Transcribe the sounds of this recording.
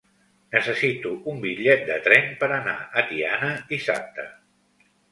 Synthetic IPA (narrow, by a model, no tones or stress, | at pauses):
nəsəsit̪uʔumbiʎɛt̪̚d̪ət̪ɾɛmpəɾəna̰ʔət̪ianəd̪isa̰p̚t̪ə